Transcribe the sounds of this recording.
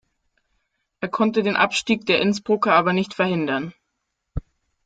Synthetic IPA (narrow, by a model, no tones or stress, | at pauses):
ʔeːɐkʰɔntədeːnʔa̰pʃtiːk̚d̥eːɐʔɪnsb̥ʁʊkɐʔaːbɐnɪçtfɛɐhɪndɐn